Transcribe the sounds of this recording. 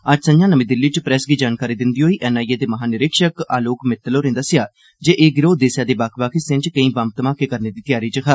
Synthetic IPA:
əd͡ʒsəɲd͡ʒãːnəmĩːd̪ɪlːiːt͡ʃpɾɛːsɡiːd͡ʒaːnkaːɾiːd̪ɪnd̪iːɦoːiːʔɛːnaːieːd̪eːməɦaːnɪɾɪkʃəkaːloːkmɪt̪ːəloːɾẽnd̪aːsɪaː | d͡ʒeːʔeːɡɪɾoːd̪eːsjaːd̪eːbaːkʰbaːkʰɪsẽɲt͡ʃkəĩːbamt̪əmaːkeːkəɾneːd̪iːt̪ɪjaːɾiːt͡ʃəɦʰaː

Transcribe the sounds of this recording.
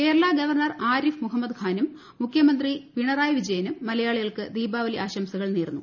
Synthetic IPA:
ke̞ːɾɐɭaːɡɐʋɐrɳɐraːɾifmuɦɐmːɐd̪kʰaːnumː | ukʰjɐmɐnd̪ripiɳɐraːjʋid͡ʑɐjɐnumːɐlɐjaːɭiɣɐɭkɨd̪iːbaːʋɐliʔaːɕɐmsɐɣɐɭneːrnːu

